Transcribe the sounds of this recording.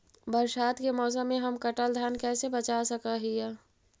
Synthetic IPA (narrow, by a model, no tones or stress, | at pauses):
bəɾʃaːt̪kemɔːs̬əmːẽɦɐmkəʈəld̪ʱaːnkɛːsebət͡ʃasəkaɦijɛ